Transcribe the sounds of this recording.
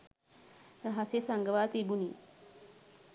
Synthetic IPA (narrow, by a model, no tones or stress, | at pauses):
ɾaɦasesaŋɡəʋaːt̪ibuni